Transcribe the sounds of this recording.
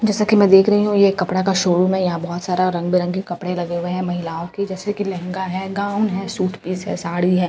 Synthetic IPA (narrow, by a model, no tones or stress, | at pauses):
d͡ʒɛːsakimɛ̃d̪eːkʰɾɐɦiɦũjekːɐpɽakaʃoːɽũmẽjɐɦãbɔːt̪saːɾaɾɐ̃ŋɡ̚biɾɐ̃ŋɡkekɐpɽẽlɐɡeɦʊeɦɛ̃mɐɦɪlaːoked͡ʒɛːsekilɛ̃ɦŋɡaɦɛːɡaːʊnɦɛːsuːʈʰpiːsɦɛ̰ːsaːɽiɦɛ̃ː